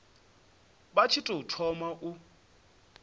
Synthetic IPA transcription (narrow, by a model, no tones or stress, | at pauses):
bat͡ʃʰitʼoutʰɔmaʔu